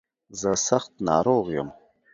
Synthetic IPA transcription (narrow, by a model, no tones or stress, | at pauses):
zəsɐxt̪nɑːɾoːɣjə̰m